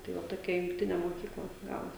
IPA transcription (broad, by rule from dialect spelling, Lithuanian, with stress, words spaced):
tɐɪ ˈʋɐ toːˈkʲɛ jʊŋkˈtʲɪnʲeː moːˈkʲiːklˠɐ ˈɡɑːʋoːs